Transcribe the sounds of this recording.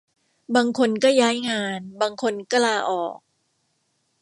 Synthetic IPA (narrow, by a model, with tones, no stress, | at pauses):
baː˧ŋkʰo˧nkɔː˥˩jaː˦˥jŋaː˧nbaː˧ŋkʰo˧nka˥˧laː˧ʔɔː˨˩k̚